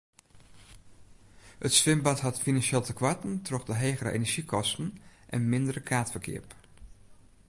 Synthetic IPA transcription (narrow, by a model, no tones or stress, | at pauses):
hətsʋɪmbɑtɦɑtfinanʃeːlˠtəkʰʋatn̩trɔχdəɦeːɣəɾə̰ʔḛnəɹʒikʰɔstən̩ʔɛnmɪndəɾəkʰaːtfərkʰɪ̰əp